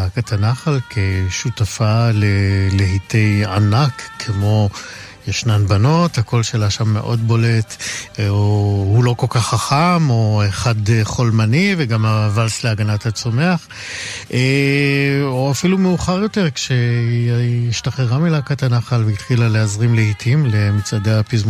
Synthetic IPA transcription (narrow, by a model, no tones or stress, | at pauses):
akatʰanaχalkʰeʃutafaleleɦite̞ja̰nakʰːemo̞ | jeʃnanbano̞thako̞lʃelaʃamːe̞̰ʔo̞dbo̞le̞tohulo̞ko̞lkaχːaχamo̞eχad̪χolmaniveɡamavalsleaɡanathat͡so̞me̞aχ | ʔe | oafilumeuχaʁjo̞teʁkʃe | iʃtaχeʁamilakatanaχalveit̪χilaleazʁimlehitʰimle̞mit͡sadeapizm